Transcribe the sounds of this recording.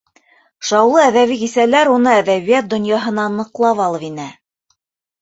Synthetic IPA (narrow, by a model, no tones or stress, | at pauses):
ʃɑwlˠɤæðæβikisælæɾunɤæðæβijæt̪̚d̪ŏnjɑɦɤ̆nɑnɤ̆qlˠɑpɑlˠɤβinæ